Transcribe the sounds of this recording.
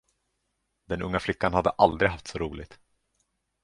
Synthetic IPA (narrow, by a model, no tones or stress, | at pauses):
d̪ɛnɵŋːaflɪkːanhad̪ːəʔald̪ɾɪɡɦaft̪sɔɾuːlɪɡ̚t̪